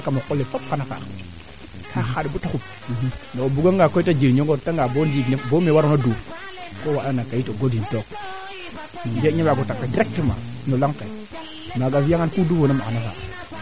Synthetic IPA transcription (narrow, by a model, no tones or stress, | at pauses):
kamokolːefop̚kanaka̰ | kʰaxadbutakup | noobuɡaŋɡakoitad͡ʒiɾɲoɡotaŋɡabondinbomewaɾonoduɾ | kowaɗanakajitoɡodintok | nd͡ʒeɲabaɡotakːadiɾek̚təma̰nolaŋke | maɡavijaŋankuduvonamaanafa̰